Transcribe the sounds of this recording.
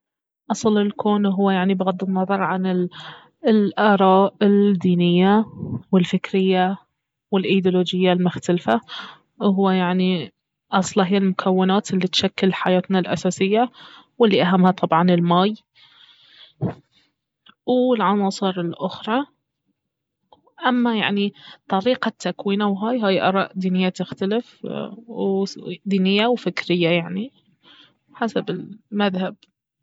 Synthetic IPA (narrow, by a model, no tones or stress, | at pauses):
ʔɑsˤlɪlkʰoːnɦʊwːajaʕnibɪɣad̪ːɪnːɑðˤɑɾˤʕanɪ | lʔaːɾˤɑːʔɪld̪ːiːnɪjːawɪlfɪkɾɪjːa | wɪlʔajd̪uloːd͡ʒɪjːalmʊxt̪alfa | ɦʊwːajaʕni | ʔɑsˤlɑɦɪjːalmʊkʰawːɪnaːt̪ɪlːit̪ʃakːɪlħajaːt̪nalʔa̰saːsɪjːa | wɪlːiʔaɦamːhat̪ˤɑbʕɑnɪlmaːj | wɪlʕɑnɑːsˤɨɾɪlʔʊxɾˤɑ | ʔamːajaʕnit̪ˤɑɾiːqat̪ːakwiːnawɦaːjɦaːjʔɑ̰ɾˤɑ̰ːʔd̪iːnɪjːat̪ɪxt̪alɪfwd̪iːnɪjːawfɪkɾɪjːajaʕni | ħasabɪlmaðhab̥̚